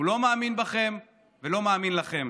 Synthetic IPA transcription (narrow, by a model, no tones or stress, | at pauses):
ulo̞maːminbaχe̞m | velo̞maːminlaχe̞m